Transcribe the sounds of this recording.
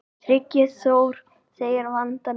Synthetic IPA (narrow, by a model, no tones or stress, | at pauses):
ɾɪcːɪsoːwɾ̥ | seːjɪɾvant̪a